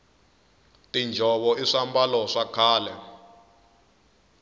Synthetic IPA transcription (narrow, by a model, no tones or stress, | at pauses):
tind͡ʒʱɔβɔiʂambalɔʂakʰaːlɛ